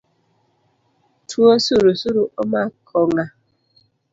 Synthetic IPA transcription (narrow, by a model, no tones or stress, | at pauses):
tʰuosuɾusuɾuɔmakʰɔŋa